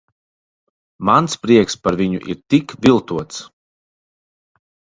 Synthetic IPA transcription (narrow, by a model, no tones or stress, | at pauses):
manspɾiɛkspaɾvʲiɲṵʔḭɾt̪ikvʲilˠt̪uɔt̪s